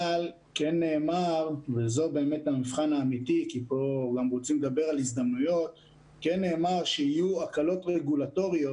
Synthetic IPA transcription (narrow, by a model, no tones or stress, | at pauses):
al | kenːe̞ːmaʁvezo̞be̞ːme̞t̪hamifχanaːmitikipo̞ɡamʁot͡simled̪abe̞ʁalisd̪amnujo̞t̪ | kenːe̞ːmaʁʃehijuakalo̞tʁeɡulato̞ʁijo̞